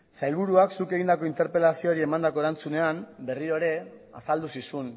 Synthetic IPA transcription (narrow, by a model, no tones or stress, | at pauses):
sajlβuɾuaksuke̞ɣ̞ind̪ako̞int̪e̞ɾpe̞lasio̞ːɾie̞mand̪ako̞e̞ɾant͡sune̞ambe̞riɾo̞eɾe̞ | a̰sald̪usisun